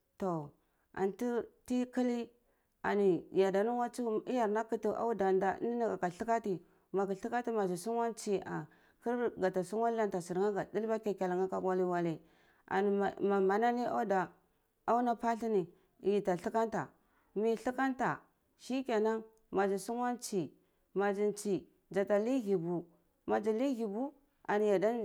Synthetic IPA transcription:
to˨ | a̰˨ntu˦ti˦ki˦li˦ | a̰˨ni˨ja˨da˨nu˦wa˦t͡su˦i˦ja˨ɾna˦ki˦tu˨ʔa̰˦u˦da˨nda̰˨˦ni˦ni˦a˨ka˨ɬi˦ka˦ti˨ | ma˨ki˨ɬi˦ka˦ti˦ma˨zi˨su˦ŋwa˦nt͡si˦a̰˨ | ki˦ɾɡa˨ta˨su˦ŋwa˦n˦a˦nta˨si˨ɾŋa˦ɡa˨di˦lba˦ka˨ka˨la˨ŋa˦ka˨ɡʷa˦li˦wa˦le˨ | a̰˨n˨ma˨ma˨na˦ni˦a̰˦da˨ | a˦u˦na˦pa˦ɬi˦ni˨ | ji˨ta˨ɬi˦ka˦nta˨ | mi˦ɬi˦ka˦nta˨ | ʃi˦kʲa˨na˦ŋ | ma˨d͡ʒi˨su˦ŋwa˦nt͡ʃi˨ | ma˨d͡ʒi˨nt͡ʃi˨ | d͡ʒa˨ta˨li˦ɡi˨bu˨ | ma˨d͡ʒi˨li˦ɣi˨bu˦ | a̰˨ni˨ja˨da˦

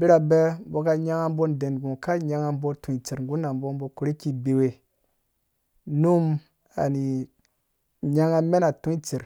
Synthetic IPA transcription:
bi˦ɾa˨be˦bo˨ka˦ɲa˦ŋa˦m˦bo˦nde˨n˨ɡũ˨ka˦ɲa˦ŋa˦bo˦tu˨i˨t͡ʃi˨ɾŋ˨ɡu˦na˨mbo˦nbo˨˦ku˨ɾi˦ki˦be˨we˨ | nu˦m | a̰˨ni˨ | ɲa˦ŋa˦me˦na˨tu˦i˦t͡ʃi˨ɾ

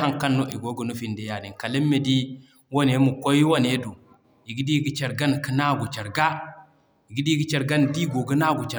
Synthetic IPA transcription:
a˦ŋka˦nːo˦ʔi˨ɡo˦ɡə˨nu˦fi˦˨nde˦ja˨di˨ka˨le˦mːe˨di˦ | wo˦ne˨˦mu˨ko˦jwo˦ne˦do˨ | i˨ɡi˦di˦ɡi˦t͡ʃa˨ɾɡa˦nki˦na˦ɡu˨t͡ʃa˨ɾɡa˦ | i˨ɡi˦di˦ɡi˦t͡ʃa˨ɾɡa˦ndi˦ɡo˨ɡə˦na˦ɡu˨t͡ʃa˨

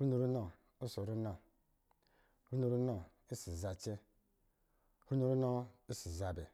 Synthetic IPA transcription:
ɾu˦nu˨ɾu˦no˨ | u˦so˨ɾu˦no˨ | ɾu˦no˨ɾu˦no˦˨ | i˦si˨za˨t͡ʃe˦ | hu˦nu˨ɾu˦no˦i˦si˨za˨be˨

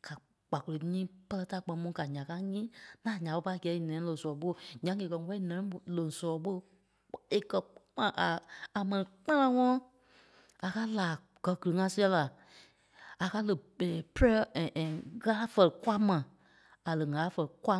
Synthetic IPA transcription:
ka˨ | k͡pa˨ko˧le˨˦ɲĩː˦pə˦lɜ˦ta˦˨k͡pɛ̃˧mũ˧˦ka˨ɲã˨ka˦ɲĩː˦nãː˦˨ɲã˨ɓo˦pa˦˨ɡɛ˨˦i˨nɛ̃˨˦lõ˨sɔ˨ɓo˦˨ɲã˨˦ŋe˨kɜ˧˦wɛ˦i˦nɛ̃˨˦˨lõ˨sɔ˨ɓo˦ | e˨kɜ˧k͡pã˨ʔaː˨mɛ̃˨nĩ˨k͡pã˦lã˦ŋɔ̃˦ɔ̃˦ | a˨ka˦laː˨ | ɡ̥ɜ˧˨ɡɨ˨lɨ˨ŋã˧si˦ɛ˧˦la˨ | a˨ka˦lə˨ɛ˨pɾɛ˦˨ʔɛ̃˨ɣaː˦fə˦˨lə˨kʷa˦mã˨ | a˨lə˨ŋa˨˦fɜ˧˨lə˨kwa˦

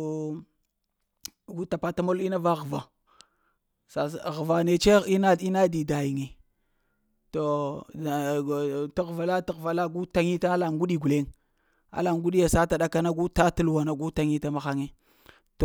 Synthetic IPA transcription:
ɡu˦ta˨pa˦ta˦mo˦li˦na˦va˦ɣva˨ | sa˨ɣva˨ne˨t͡ʃe˦i˦na˦i˦na˦di˨da˨ji˨ŋe˨ | to˨ | ta˦ɣva˨la˦ti˦ɣva˨la˦ɡu˦ta˦ŋi˦ta˦a˦la˨ŋɡu˦ɗi˨ɡu˨le˦ŋ | a̰˦la˨ŋɡu˦ɗi˦ja˨sa˦ta˨ɗa˦ka˦na˦ɡu˦ta˦tu˦lwa˨na˨ɡu˦ta˨ŋi˦ta˦ma˨xa˦ŋe˦ | to˨

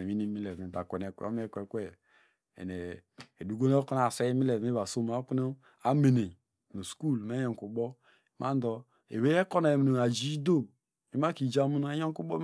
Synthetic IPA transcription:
e˨mi˦ni˦mi˦le˨me˨ba˨kʷe˨ne˨kʷḛ˨˦o̰˦m˦e˦˨kʷe˨kʷe˦˨ | ḛ˨ne˨e˨du˨ɡo˦ne˦ko˦n˨a˨se˦e˦mi˦le˨me˦ba˨so˦m˨a˨˦ku˦no˦ | a˦me˨ne˨ | no˨sku˦˨lm˦e˦o˨ŋ˨ku˨bɔ˦ | ma˦n˦dɔ˨ | ḛ˨we˦e˦ko˦na˨e˨mi˨no˨a˨d͡ʒi˦do˦˨ | i˨˦ma˦ki˨d͡ʒa˦mu˦n˦e˦jo˦ku˦bɔ˦

